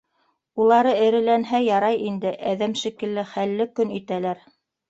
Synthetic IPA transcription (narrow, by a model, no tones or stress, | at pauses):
ulˠɑɾɤɘ̆ɾɘ̆lænɦæjɑɾɑjind̪ɘʔæðæmʃikɘ̆lːɘχælːɘkɵnit̪ælæɾ